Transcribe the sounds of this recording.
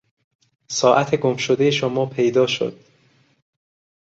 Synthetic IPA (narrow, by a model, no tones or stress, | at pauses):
sɒːʔæt̪ʰeɡomʃod̪e̞jeʃomɒːpʰe̞jd̪ɒːʃo̰d̪̥